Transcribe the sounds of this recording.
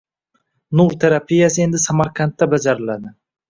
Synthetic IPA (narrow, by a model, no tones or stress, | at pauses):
nuɾt̪ʰe̞ɾapʰijasɪe̞nd̪ɪsamaɾkʰant̪ːabad͡ʒaɾɪlad̪ɪ